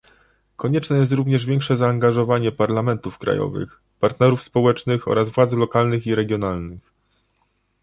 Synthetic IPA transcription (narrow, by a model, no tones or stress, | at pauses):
kɔɲɛt͡ʂnɛjɛst̪ɾuvɲɛʐvʲjɛŋkʂɛzaːŋɡaʐɔvaɲɛpaɾlamɛnt̪ufkɾa̰jɔ̰vɘ̰x | paɾt̪nɛɾufspɔwɛt͡ʂnɘxɔ̰ɾazvwad̪zlɔkalnɘxiɾɛɡʲjɔn̪alnɘx